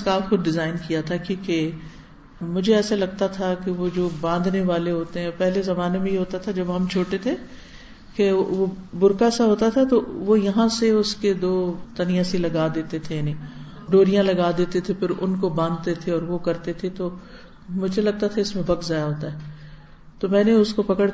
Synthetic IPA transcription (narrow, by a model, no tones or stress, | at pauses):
skaːxʊd̪ɖɪzaːɪnkijat̪ʰakjũːke | mʊd͡ʒʱeɛːsalɐɡt̪at̪ʰakeʋod͡ʒoːbãːnd̪neʋaːleɦoːt̪eɦɛ̃pɛɦlezɐmaːnemẽjeɦoːt̪at̪ʰad͡ʒɐbɦɐmt͡ʃʰoːʈet̪ʰe | keʋobʊɾkaɛsaɦoːt̪at̪ʰat̪oʋojɐɦãseʊsked̪oːt̪ɐnijaːsilɐɡaːd̪eːt̪et̪ʰejaːni | ɖoːɾijãlɐɡaːd̪eːt̪et̪ʰepʰɪɾʊnkobãːnd̪̚t̪et̪ʰeɔːɾʋokɐɾt̪et̪ʰet̪o | mʊd͡ʒʱelɐɡ̚t̪at̪ʰaɪsmẽbʱɐɡzaːjaɦoːt̪aɦɛː | t̪omɛ̃ːneʊskopɐkəɽ